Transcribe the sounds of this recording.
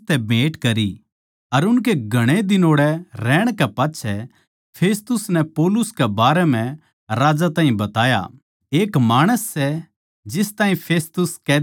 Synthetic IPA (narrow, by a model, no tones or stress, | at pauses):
t̪ɛbʱeːʈkɐɾi | ɐɾʊnk̬eɡʱɐɽ̃ed̪ɪnoːɽɛɾɛːɽ̃kɛpaːtːʃʰɛ | pʰeːst̪ʊsnɛpoːlʊskɛbaːɾɛmɛ̃ | ɾaːd͡ʒat̪ãːɦĩbɐt̪aːja̰ | eːkmaːɽ̃əsːɛ | d͡ʒɪst̪aːɦĩpʰeːst̪ʊskɛː